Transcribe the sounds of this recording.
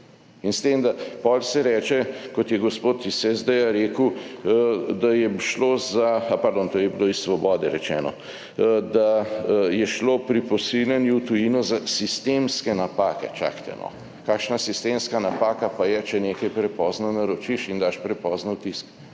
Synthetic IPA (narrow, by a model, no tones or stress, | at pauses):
inst̪eːmd̪apɔːlsɛɾɛːt͡ʃɛkɔt̪jɛɡospoːt̪isɛzd̪ɛjaɾeːkəw | d̪ajɛʃloːzaapɐɾd̪oːnt̪oːjɛbiloːisːʋɔbɔːd̪ɛɾɛt͡ʃɛ̰ːnɔ̰ | d̪ajɛʃloːpɾipɔsilʲjanjuwt̪ujiːnɔzasist̪emskɛnapaːkɛ̰t͡ʃa̰kt̪ɛ̰nɔ̰ | kaːkʃnasist̪eːmskanapaːkapajɛt͡ʃɛneːkɐjpɾɛpɔːznanaɾɔt͡ʃiʃind̪aːʃpɾɛpɔːznɛwt̪isk